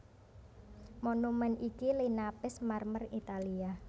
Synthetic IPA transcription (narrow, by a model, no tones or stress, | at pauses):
monumɛnikilinapɪsmarmərit̪alia